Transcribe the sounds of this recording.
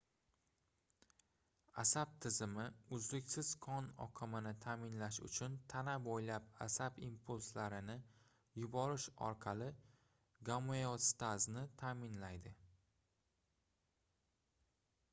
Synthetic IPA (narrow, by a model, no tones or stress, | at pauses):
asab̚t̪ʰɪzɪmɪʊzlɪkʲsɪz̥kʰɒnɒ̰qʰɨmɪnɪt̪ʰamɪnlaʃʊ̰t͡ʃʰʊnt̪ʰanabojlapa̰sabimpʰulˠslaɾɪnɪ | jʊbɒɾɪʃɒ̰ɾqʰɑlɪ | ɡamojost̪aznɪt̪ʰaːmɪnlajd̪ɪ